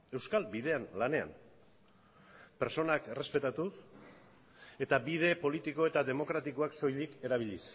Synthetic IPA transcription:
e̞wskalbiðe̞anlane̞a̰m | peɾso̞nakere̞spe̞t̪at̪us | e̞t̪abið̞e̞po̞lit̪iko̞e̞t̪aðe̞mo̞kɾat̪ikoakso̞jlike̞ɾaβ̞iʎis

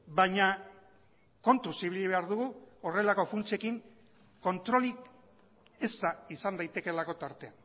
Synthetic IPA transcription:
baɲa | ko̞nt̪usiβiliβe̞aɾðuɣuore̞lako̞funt͡sie̞kiŋ | ko̞nt̪ɾo̞lik | e̞zt̪aisand̪ajt̪e̞ke̞lako̞t̪aɾt̪e̞an

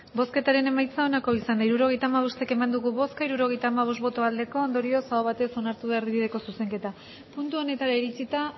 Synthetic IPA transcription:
bo̞ske̞t̪aɾe̞ne̞majt͡sao̞nako̞isand̪aiɾuɾo̞ɣe̞jt̪aːmaβ̞ost̪eke̞mand̪uɣuβo̞skaiɾuɾo̞ɣ̞e̞jt̪aːmaβ̞ost̪bo̞t̪o̞ald̪e̞ko̞ːnd̪o̞ɾio̞saoβ̞at̪e̞so̞naɾt̪uβe̞aɾðiβið̞e̞ko̞suse̞ŋke̞t̪a | punt̪uo̞ne̞t̪aɾaiɾit͡sit̪a

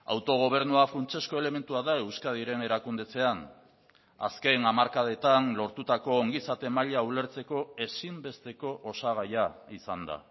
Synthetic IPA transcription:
a̰wt̪o̞ɣ̞o̞β̞e̞ɾnuafɾunt͡ʃe̞sko̞e̞le̞me̞nt̪uaðae̞wskað̞iɾe̞ne̞ɾakund̪e̞t͡se̞an | a̰ske̞namaɾkaðe̞t̪anlo̞ɾt̪ut̪ako̞ːŋɡisat̪e̞maʎaule̞ɾt͡se̞ko̞e̞simbe̞st̪e̞ko̞ʔosaɣ̞ajaisand̪a̰

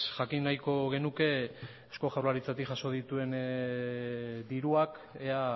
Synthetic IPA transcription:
ʝakinːajko̞ɣ̞e̞nuke̞ | esko̞ʝawɾlaɾit͡sat̪iʝaso̞ð̞it̪ue̞n | d̪iɾuak | ea

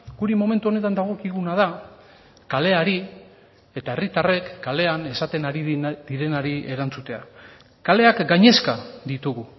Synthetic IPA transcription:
ɡ̥uɾemo̞me̞nt̪uo̞ne̞t̪and̪aɣ̞o̞kiɣunaða | kale̞aɾi | e̞t̪ae̞rit̪are̞kːale̞ane̞sat̪e̞naɾið̥iɾe̞naɾie̞ɾant͡sut̪e̞a̰ | kale̞akɡaɲe̞skaðit̪uɣu

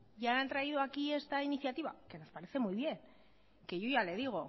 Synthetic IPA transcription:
ʝaent̪ɾaiðoakie̞st̪ainiθjat̪iβa̰ke̞no̞spaɾe̞θe̞muiβ̞je̞n | ke̞ʝojale̞ð̞iɣ̞o̞

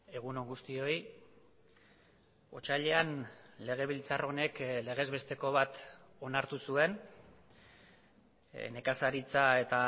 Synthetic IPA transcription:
e̞ɣ̞uno̞ŋɡust̪io̞j | o̞t͡ʃaʎe̞anle̞ɣ̞e̞β̞ilt͡saro̞ne̞kle̞ɣ̞e̞zβe̞st̪e̞ko̞β̞at̪o̞naɾt̪usue̞n | ne̞kasaɾit͡sae̞t̪a

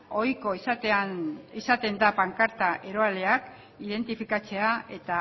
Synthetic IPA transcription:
o̞jko̞isat̪eanisat̪e̞nd̪apaŋkaɾt̪aʔe̞ɾo̞ale̞ak | ið̞e̞nt̪ifikat͡se̞ae̞t̪a

